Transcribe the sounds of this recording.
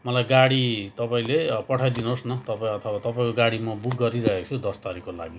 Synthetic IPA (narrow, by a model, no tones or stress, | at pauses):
mʌlajɡaɽit̪ʌpaĩlepʌʈʰajd̪inosnʌt̪ʌpãʌt̪ʰʌwat̪ʌpaĩkoɡaɽimʌbuɡːʌɾiɾʌɦet͡sʰud̪ʌst̪aɾikola̰ɡi